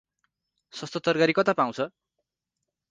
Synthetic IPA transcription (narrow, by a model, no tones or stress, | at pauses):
sʌst̪ʌt̪ʌrɡaɾikʌt̪apaw̃t͡sʰʌ